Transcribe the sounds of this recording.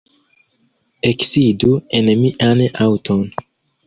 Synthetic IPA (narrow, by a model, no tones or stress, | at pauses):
eksiduenemiʔanawtʰon